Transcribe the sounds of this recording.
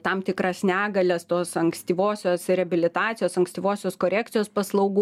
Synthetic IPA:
t̪ɐmt̪ʲɪkɾɐsnʲæːɡɐlʲɛst̪oːsɐŋksʲt̪ʲiːʋoːsʲoːsrʲɛɐbʲɪlʲɪt̪ɑːt̪t͡ssʲɪjoːsɐŋksʲt̪ʲiːʋoːsʲoːskoːɾʲæːkt̪t͡s̪ʲɪjoːspɐslˠɐʊɡuː

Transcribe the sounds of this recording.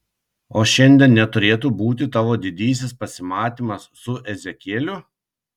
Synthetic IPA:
oːʃʲɛnʲd̪ʲiɛnnʲɛt̪ʊɾʲeːt̪uːbuːt̪ʲɪt̪ɑːʋoːd̪ʲɪd̪ʲiːsʲɪspɐsʲɪmɑːt̪ʲiːmɐsːʊʔɛzʲɛkʲiːlʲʊ

